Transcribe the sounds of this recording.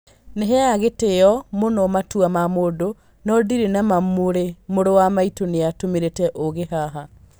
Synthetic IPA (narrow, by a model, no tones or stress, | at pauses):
neɦɛjaɣeteɔmonɔmatuamamodo | nɔdiɾenamamoɾemoɾowamaitoneatomeɾetɛʔoɣeɦaɦa